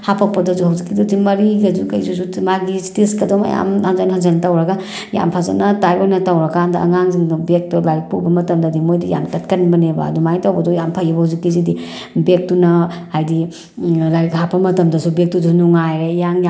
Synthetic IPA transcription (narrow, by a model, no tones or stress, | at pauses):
hapak̚pɐdɔzuhawzikːidɔdimɐɾiɡɐzuka̰jzuzumaɡistiskɐdɔma̰ja̰mhazanhazantawɾaɡa | ja̰mpʰaza̰nɐtajojnɐtawɾakandɐɐŋaŋziŋbek̚tɔlajpubɐmɐtɐmdadimojdija̰mtɐtkɐnibɐneba̰ːdumajtawbɐdɔjampʰajibɐhawzikːizidi | bek̚tunɐ | ajdi | lajkʰapɐmɐtɐmdɐsʰubek̚tuzunuŋajɾejaŋja